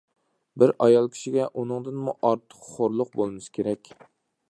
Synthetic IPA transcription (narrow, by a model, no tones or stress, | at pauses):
bɪɾɑjɑlˠkʲʰi̥ʃiɡʲɛʔunɨŋd̪ɨnmuʔɑɾt̪ʰə̥qχoɾlˠʊq̚bolˠmɨskʲʰeɾɛkʲ